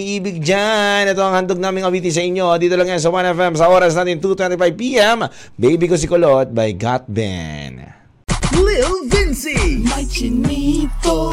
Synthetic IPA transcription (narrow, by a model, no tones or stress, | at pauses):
iʔiːbɪɡ̚d͡ʒanɛt̪oɐŋhɐnd̪oɡ̚naːmɪŋɐwiːt̪is̬ɐʔiɲːo̞d̪iːt̪olɐŋjans̬ɐwanɛfɛmsɐʔoːɾɐs̬naːt̪ɪnt̪ut̪wɛnt̪ifajb̚piʔɛm | bejbikos̬ɪkolot̪̚bɐjɡat̪̚bɛ̰n | lɪlvɪnsimɐt͡ʃɪnit̪o